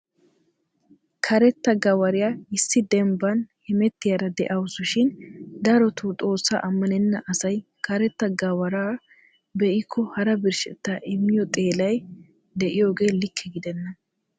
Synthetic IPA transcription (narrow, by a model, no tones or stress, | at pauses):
kʰɐɾɛt̪ːɐɡɐwɐɾɪjaːɪsːɪd̪ɛmbɐnhɪmɛt̪ːɪjɐɾɐd̪ɛʔɐwʊsʊʃɪnd̪ɐɾɔt̪ut̪ʼo̞ːsːa̰ːʔɐmːɐnɛnːɐʔɐsɐj | kʰɐɾɛt̪ːɐɡɐwɐɾaː | bɛʔɪkʰːɔhɐɾɐbɪɾʃɛ̰t̪ːaːʔɪmːɪjɔt̪ʼe̞ːlɐj | d̪ɛʔɪjo̞ːɡe̞ːlɪkʰːɛɡɪd̪ɛnːɐ